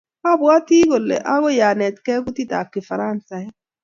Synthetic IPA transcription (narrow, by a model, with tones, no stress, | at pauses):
a˦bwa˦ti˦ɡɔ˨lːɛ̰˨ʔa˦ɡɔ˦ja˨nɛ˨t̪kɛ˦ku˦ti˦ta̰˨kːɪ˨fa˨ɾa˦nsa˨˦